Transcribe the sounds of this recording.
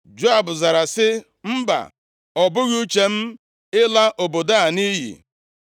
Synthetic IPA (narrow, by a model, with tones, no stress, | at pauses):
d͡ʒo˦a˨bʊ˨za˨ɾa˨sɪ˦ | m̩˦ba̰˨ | ɔ˨bʊ˦ɣu˦t͡ʃe˨m̩˦ | ɪ˦la˦ʔo˨bo˨da˦a˨ni˦ɦḭ˨